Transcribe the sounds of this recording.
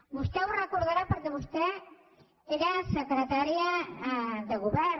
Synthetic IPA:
bust̪ɛwrekoɾðaɾapəɾkeβust̪ɛ | eɾasəkɾet̪aɾja | d̪eɣuβɛɾ

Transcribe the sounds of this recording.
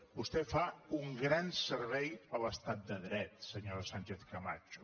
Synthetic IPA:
bust̪ɛfauŋɡɾansəɾβɛjələst̪at̪̚d̪əðɾɛt̪səɲoɾsaɲʲt͡ʃeθkəma̰t͡ʃu̥

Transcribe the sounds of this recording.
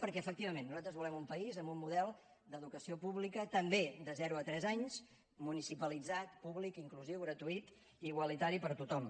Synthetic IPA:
pəɾkɛəfək̚t̪iβəmẽnːuzalt̪ɾəzβulɛmumpəizəmbumːuðɛlˠ | d̪əðukəsiopuβlikət̪əmbed̪əzɛɾuət̪ɾɛzaɲz | munisipəlid͡zat̪puβlikiŋkluziwɣɾət̪uit̪ | iɣwəlit̪aɾipəɾt̪ut̪ɔm

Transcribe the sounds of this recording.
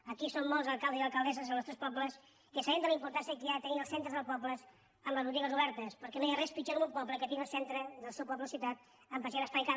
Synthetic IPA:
əkisomːɔlˠzəlˠkalˠd̪əziəlˠkəlˠd̪ɛsəzlnɔst̪ɾɛspɔpləs | kəsaɛnd̪ələimpuɾt̪ansiəkɾiat̪əniəlˠsent̪ɾəðəlˠpɔpləs | əmbləzβut̪iɣəzuβɛɾt̪əspəɾkɛnojarɛspit͡ʃamumpɔpləkət̪inəlˠsent̪ɾəðəlˠsɛwpɔpləsiwt̪at̪̚ | əmpəʒaðəspajka

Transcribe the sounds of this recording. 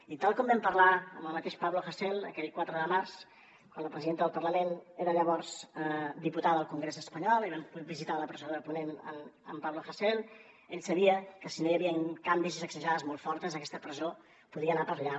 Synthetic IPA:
it̪alˠkɔmbɛmpəɾlaəməlˠmət̪eʃpaβloxəsɛlˠə̰kɛʎkwat̪ɾəðəmars | kwanləpɾəziðent̪əðəlˠpəɾləmeneɾəʎəβɔrzəd̪iput̪aðəðəlˠkuŋɡɾezəspəɲɔlˠiβɛmpbizit̪aləpɾəzoðəlpunenə̰mə̰mpaβloxəsɛlˠ | eʎsəβiəkəsinojəβiəŋkambizizəksəʒaðəzmolˠfɔɾt̪əzəkɛst̪əpɾəzo | puðiənapəɾʎa

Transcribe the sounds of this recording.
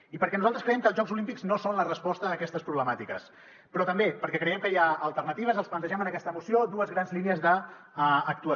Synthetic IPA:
ipəɾkɛnuzalˠt̪ɾəskɾəjɛmkəːlˠʒɔɡzulimpiɡznosonlərəspɔst̪əːkɛst̪əspɾuβləmat̪ikəs | pɾɔt̪əmbepəɾkɛkɾəjɛmkəjaəlˠt̪ərnət̪iβəzəlˠsplənt̪əʒɛmənəkɛst̪əmusiod̪uəzɣɾanzlineəzðəː | k̚t̪uə

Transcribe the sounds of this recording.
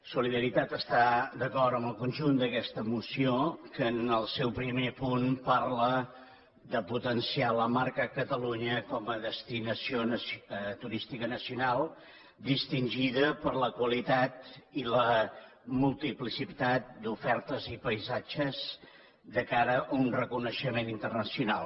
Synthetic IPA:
suliðəɾit̪at̪əst̪ad̪əkɔrt̪əməlˠkunʲʒund̪əkɛst̪əmusiokəːnəlˠsɛwpɾimepunparlə | d̪əput̪ənsialəmaɾkəːkət̪əluɲəkɔməðəst̪inəsionəst̪uɾist̪ikənəsiunalˠ | d̪ist̪inʲʒiðəpəɾləkwəlit̪at̪ilə | mulˠt̪iplisit̪at̪̚d̪ufɛɾt̪əzipəjzad͡ʒəz | d̪əkaɾəʔːunrəkunəʃəmenint̪ərnəsiunalˠ

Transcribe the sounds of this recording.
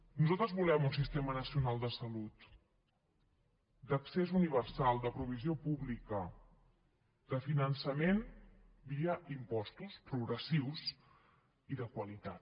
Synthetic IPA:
nuzalˠt̪ɾəzβulɛmunsist̪emənəsiunalˠd̪əsəlut̪ | d̪əksezuniβ̞əɾsalˠd̪əpɾuβ̞iziopuβlikə | d̪əfinənsəmen | biəʔimpɔst̪uspɾuɣɾəsiws | iðəkwəlit̪at̪

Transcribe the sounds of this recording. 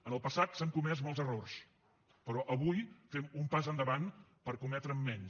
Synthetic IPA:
ənəlˠpəsat̪saŋkumɛz̬mɔlˠzərors | pəɾɔʔəβujfɛmumpazənd̪əβanpəɾkumɛt̪ɾəmːɛn

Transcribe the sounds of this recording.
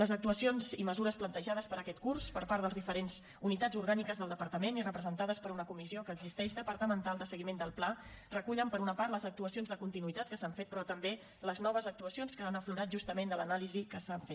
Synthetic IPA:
ləzək̚t̪uəsionziməzuɾəsplənt̪əʒaðəspəɾəkɛt̪̚kurspəɾpaɾðəlˠzðifəɾenz | unit̪ad͡zuɾɣanikəzðəlˠd̪əpəɾt̪əmenirəpɾəzənt̪aðəspəɾunəkumiziokəːɡzist̪ɛʃd̪əpəɾt̪əmənt̪alˠd̪əsəɣimend̪əlˠplarəkuʎəmpəɾunəpaɾt̪ləzək̚t̪uəsionzðəkunt̪inuit̪at̪̚kəsaɱfet̪̚pɾɔt̪əmbe | ləznɔβ̞əzək̚t̪uəsionskəanəfluɾat̪̚ʒust̪əmend̪ələnalizikəsaɱfet̪

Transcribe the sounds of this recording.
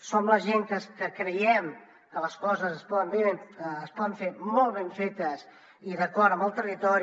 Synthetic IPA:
somləʒeŋkəskəkɾəjɛm | kələskɔzəzəspɔðəmbeːspɔðəɱfeɾmɔlˠβeɱfet̪əs | iðəkɔɾəməlˠt̪ərit̪ɔɾ

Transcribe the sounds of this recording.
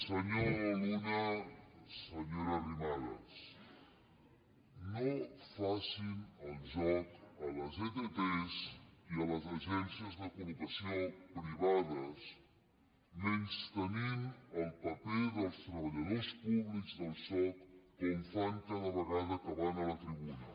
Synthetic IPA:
səɲolunə | səɲoɾərimaɾə̰s | nofasinəlˠʒɔkələzet̪et̪esiələzəʒɛnsiəzðəkulukəsiopɾiβaðəs | menst̪əninəlˠpəpeðəlˠst̪ɾəβəʎəðospuβlikzðəlˠsɔkːəɱfant̪aðəβəɣaðəkəβanələt̪ɾiβunə

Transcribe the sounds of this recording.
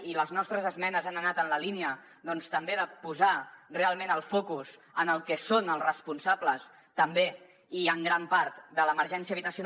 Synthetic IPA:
iləznɔst̪ɾəzəzmɛnəzanənat̪ənləliniə | ðɔnst̪əmbeðəpuzarealˠmẽnəlˠfokuzənəlˠkɛsonəlˠsrəspunsabləs | t̪əmbe | iəŋɡɾampaɾt̪d̪ələməɾʒɛnsiəβit̪əsiun

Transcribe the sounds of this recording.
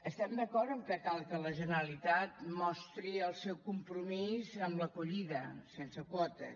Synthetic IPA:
əst̪ɛmd̪əkɔɾt̪əmkəkalˠkələʒənəɾəlit̪at̪mɔst̪ɾiəlˠsɛwkumpɾumizəmləkuʎiðəsensəkwɔt̪ə̰

